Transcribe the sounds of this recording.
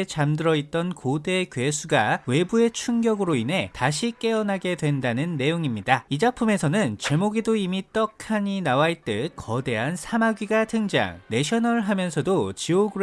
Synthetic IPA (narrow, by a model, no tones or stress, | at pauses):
t͡ɕamdɯɾʌit̚t͈ʌnkode̞kɥe̞sʰuɡawe̞bue̞t͡ɕʰuŋɡjʌɡɯɾoinɦe̞taɕʰik͈e̞ʌnaɡe̞dwe̞ndanɯnːe̞joŋimɲidaid͡ʑapʰume̞sʰʌnɯnt͡ɕe̞moɡidoimit͈ʌkʰaɲinawait͈ɯk͈ʌde̞ɦansʰamaɡɥiɡatʰɯŋd͡ʑa̰ŋne̞ɕʰʌnʌɭɦamjʌnsʰʌdot͡ɕioɡɯɾ